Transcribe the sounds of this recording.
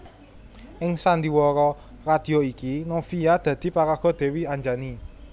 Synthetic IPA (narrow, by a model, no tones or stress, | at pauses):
ʔɪŋsand̪iwɔɾɔ | rad̪̥i̤oikinofijad̪̥ä̤d̪̥i̤pakaɡ̥ɔ̤d̪̥e̤wiaɲd͡ʒani